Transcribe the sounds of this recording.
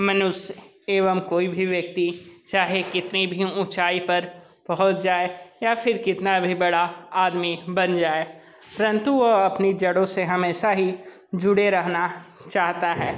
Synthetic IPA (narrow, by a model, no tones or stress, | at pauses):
mɐnʊʃ | eːʋəmkoːibʱiʋjɐk̚t̪it͡ʃaːɦekɪt̪nibʱiũt͡ʃaːipɐɾ | pɐɦʊt̪d͡ʒaːejafʰɪɾkɪt̪nabʱibɐɽaaːd̪mibɐ̃nd͡ʒaːe | ɾɐ̃nt̪uɔɐpnid͡ʒɐɽõseɦɐmeːʃaɦi | d͡ʒʊɽeɾɐɦnat͡ʃaːɦt̪aɦɛː